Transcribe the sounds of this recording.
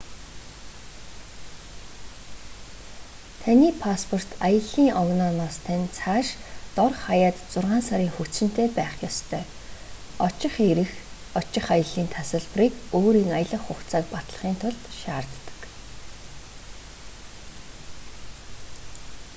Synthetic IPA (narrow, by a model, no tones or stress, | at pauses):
t̪ʰaniːpʰaspʰɔr̥t̪ajə̆ɮiːŋɔɣnɔnaːst̪ʰænʲt͡sʰaːʃt̪ɔrχajaːt̪t͡sʊrʁaːnsaɾʲiːŋxusɘ̆n̥t̪ʰeːpæːχjɔst̪ʰœː | ɔt͡ɕɪ̆χeɾɘ̆x | ɔt͡ɕɪ̆χajə̆ɮiːnt̪ʰasə̆ɮpriːkoːɾiːŋajə̆ɮə̆χːʊkt͡sʰaːk̪̚pat̪ɮə̆χiːnt̪ʰʊɮt̪ʃaːrt̪ːə̥̆k